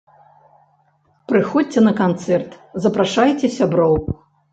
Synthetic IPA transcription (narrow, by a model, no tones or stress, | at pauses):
pɾɨxɔt͡sʲɛnɐkant̪sɛrt̪zɐpɾaʂajt͡sʲɛsʲabɾɔwku